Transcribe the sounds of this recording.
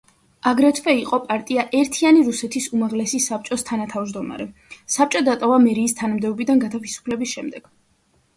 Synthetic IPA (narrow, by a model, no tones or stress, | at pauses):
aɡɾɛt̪ʰvɛiqʼɔpʼaɾt̪ʼiaʔɛɾt̪ʰianiɾusɛt̪ʰisumaʁlɛsisap̚t͡ʃʼɔst̪ʰanat̪ʰavd͡ʒd̪ɔma̰ɾɛsap̚t͡ʃʼɔd̪at̪ʼɔvamɛɾiːst̪ʰanamd̪ɛɔbid̪anɡat̪ʰavisu̥pʰlɛbisʃɛmd̪ɛɡ̥